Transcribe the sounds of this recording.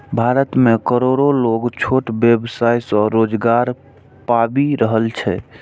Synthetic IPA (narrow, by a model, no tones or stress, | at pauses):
bʱaɾət̪mekəɾoɾoloɡt͡ʃʰoʈbjebsajsɔɾod͡ʒɡaɾ | pabiɾəɦəlt͡ʃʰɛ